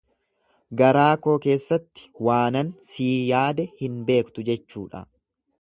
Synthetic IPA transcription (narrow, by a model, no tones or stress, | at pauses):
ɡɐɾaːko̞ːke̞ːsːɐt̪ːɪ̥waːnɐnsiːjaːd̪ɛhɪnbe̞ːkt̪ʊd͡ʒɛt͡ʃːṵːᶑɐ̰